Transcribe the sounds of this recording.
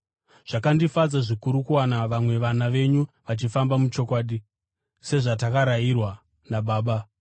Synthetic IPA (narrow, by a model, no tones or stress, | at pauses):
ʐ̥akandifad͡zaʐikuɾukuwanaʋamwe̞ʋanaʋe̞ɲuʋat͡ʃifambamut͡ʃo̞kwaːɗi | se̞ʐatakaɾairwa | naɓaːɓa